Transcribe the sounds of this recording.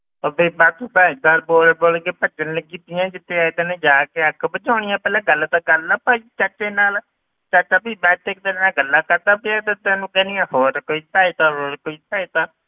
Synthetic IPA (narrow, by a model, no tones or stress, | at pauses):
əbeːbaːt̪ubaːɡ̪əɾboːlboːlkeːpət͡ʃənləɡiːt̪ɪjãːd͡ʒɪt̪ʰːeːaːd̪eːned͡ʒaːkeːəkbət͡ʃaːɽ̃ɪjãːpɛːlãːɡəld̪aːɡəlaːpaːit͡ʃət͡ʃːeːnaːl | t͡ʃat͡ʃːaːpiːbɛ̃ːt̪eːk̚d̪əlnaːɡəlːaːkəɾd̪aːpiɛːd̪ət̪ãːnũːkɛːniːãːhoːɾkoːiːt̪aːit̪aːɦoːɾkoːiːt̪aːit̪aː